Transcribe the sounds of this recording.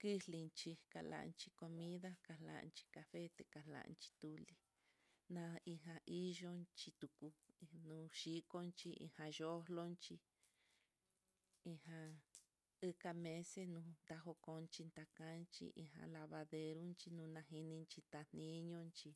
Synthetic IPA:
ki˦li˧nt͡ʃi˧ka̰˧la̰˨˧nt͡ʃi˧ko˧mĩ˦ða˦ka˧la̰˨˧˨nt͡ʃi̥˧ka˧fe˦t̪e˧ka˨la̰˨˧nt͡ʃi̥˧t̪u˧li˧ | nã˧i˧ɦã˧ʔi˦ʒo˦˧nt͡ʃi˧t̪u˨ku˧nũ˧ʃi˦ko˦nt͡ʃi˧ḭ˧hã˧ʒo˦lo˦nt͡ʃi˧ | i˧hã˧ | ɨ˦ka˧mẽ˧se˦nũ˧nd̪a˧ɦo˧kõ˧nt͡ʃi˧nd̪a˧kã˦nt͡ʃḭ˧ʔḭ˧ɦã̰˧la˧βa˧ðe˧ɾu˦nt͡ʃi˧nũ˧nã˧ɦi˧nĩ˧nt͡ʃi˧t̪a˧n̥ĩ˦ɲõ˦nt͡ʃi˧

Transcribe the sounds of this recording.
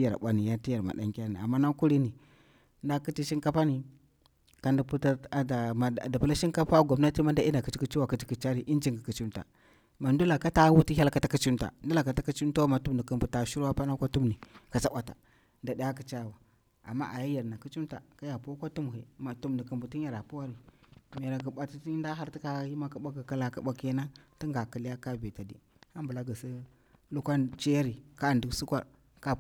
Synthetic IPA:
ja˨ɾɓʷa˨˦ni˨ja˦ti˦ja˨ɾma̰˨da̰˨ŋka˦na̰˨a̰˨mːa˦na˦ku˦ɾi˦ni˨ | nda˦ki˦ti˦ʃi˦ŋka˦pa˦ni˨ | ka˨nda˨pu˦ta˦a˨da˨ma˨da˨pu˦la˦ʃi˦ŋka˦pa˦ɡa˨bna˦ti˦ma˦nda˦i˦nda˨ki˨˦t͡ʃi˦ki˦t͡ʃi˦wa˨ki˦ti̥˦ki˨t͡ʃa˦ɾi˨ʔi˦nd͡ʒi˦ŋɡa˨ki˨t͡ʃi˦mta̰˨ | ma˨ndu˦la˨ka˦ta˦wu˦ti˦ɦʲa˦lka˦ta˦ki˦t͡ʃi˦mta̰˨n˦du˦la˨ka˨ta˦ki˦t͡ʃi˦mta˦ma˨tu˦mndi˨ku˦mbu˨ta˨ʃu˦ɾwa˦pa˦na˦kʷa˦tu˦mni˨ka˨t͡sa˦ɓʷa˨ta̰˨ | nda˨da˨ja˦ka˨t͡ʃa˦˨wa˨ | a̰˨mːa̰˦ʔa˨ja˦ja˨ɾna˨ki˦t͡ʃi˦mta̰˨ka˦ja˨pu˦kʷa˦tu˦m˨ɦḛ˨ma˨tu˦mndi˨ku˨mbu˨ti˦ɲ˦a˨ɾa˨pu˦wa˦ɾi˨m˨a˨ɾa˨ɡa˨ɓa˦ti˦ti˦nda˦ɦa˦ɾti˦ka˦ji˦ma˦ka˦ɓa˦ɡa˨ka˦la˨ka˦˨ɓʷa˦ke˦na˦ti˦ŋɡa˨ki˨li˦ja˦ka˦be˨ta˨dḭ˨ | ha˦mbu˨la˦ɡa˨si˦ | lu˦kʷa˦t͡ʃi˦ja˦ɾi˨ka˦˨ndu˦ksu˦kʷa̰˦ɾ | ka˦

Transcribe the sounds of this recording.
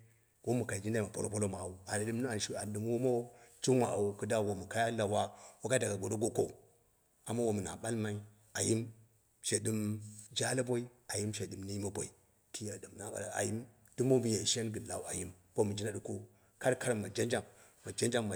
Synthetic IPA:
wo˦mu˨ka˨i˨d͡ʒi˦n˦da˦˨ma˨po˦lo˦po˦lo˦ma˨wu˨a˨na˨dɨ˦mn˦a˨ʃi˦a˨n˨dɨ˨m˦wo˦mo˦t͡ʃi˦wa˨wu˨ku˦da˦˨wo˨mu˨ka˦ja˦la˨wa˦wo˦ka˦da˨ɡa˨ɡo˨do˦ɡo˦ko̰˦ | a˨ma˦wo˨mu˨na̰˨ɓa˦lma˦i˦ | a˨ji˦m | ʃe˨di˦md͡ʒa˦la˦bo˦i˦ | a˨ji˦mʃe˨dɨ˨mni˦ji˦ma˦bʷo̰˨i˨ | kʰi˦ja˨dɨ˨mna˦ɓa̰˨la˨a̰˨ji˦m | du˦mo˦mi˨ja˨ʃe˦nɡɨ˨la̰˨wa̰˨ji˦m | b̥o˦mu˨d͡ʒi˦na˦du˨ko˦ | ka˦ɾka˦ɾa˨mːa˨d͡ʒa˦nd͡ʒa˨m | ma˨d͡ʒa˦nd͡ʒa˦ma˨

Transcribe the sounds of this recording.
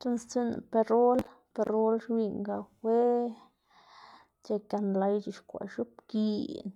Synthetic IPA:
t͡ʃo˦nst͡si˦n˨pe˧ɾo˦lpe˧ɾo˦lʃwi˧ŋɡa˧xwe˦ | t͡ʃe˧ka˧nla˧jt͡ʃi˧˨ʃkʷa̰˨ʃu˦p̚ki˧n

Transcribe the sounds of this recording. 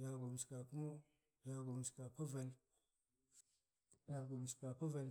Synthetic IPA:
ja˨ɡo˨m˨ska˨ku˦mo˦ | ja˦ɡo˨m˨ska˨pa˦va˨l | ja˨ɡo˨m˨ska˨pa˦va˨l

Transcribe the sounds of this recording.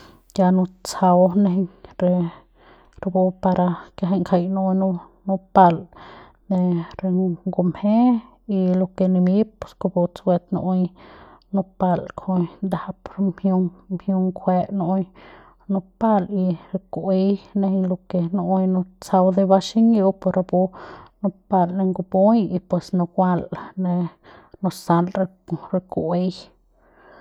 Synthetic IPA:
ja˧nõ˧t͡sa˧wne˧ɦe˧ɲɾe˧ | ɾe˧bo˧pa˧ɾa˧kja˧ɦe˧ŋkʰa˧jno˧jnu˧ | nũ˧pa˧l | ne˧ɾe˧ɡo˧mhe˦ | i˧lo˧ke˧ni˧mi˦p̚pe̥˧˨sko˧bo˧t͡sɡʷwʷe˧t̪no̰˧ʔjnu˧pa˧lkʰo˧jnd̪a˨˧pɾmhju˧ŋmhju˧ŋkʰʷe˧ʔno˧˦j | no˧pa˧li˧ɾe˧kʔe˧jne˧lo˧ke˧no˧ʔjno˧t͡sa˧wd̪e˧ba˧ʃi˦ŋjo˧wpo˧ɾʔa˧bu˧no˧pa˧lne˧ŋɡo˧bo˦ji˧pwe˨sno˧ɡʷa˦˧lne˧no˧sa˧lɾe˧ | ɾe˧kʔe˧j

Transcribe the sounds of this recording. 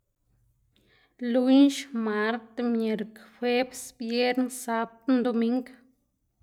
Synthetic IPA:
lu˦ɲʃma˧˦ɾt̪mje˨ɾkfwe˦bsbje˦ɾnsa˦b̚t̪nd̪o˧mi˧ŋk

